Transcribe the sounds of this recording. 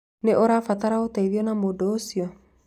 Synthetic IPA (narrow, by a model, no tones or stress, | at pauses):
neʔoɾafat̪aɾaot̪aiðiɔnamodoːsiɔ